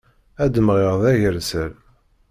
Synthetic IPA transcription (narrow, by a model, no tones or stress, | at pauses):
æd̪əmʁɪʁðæʝəɾsəɾ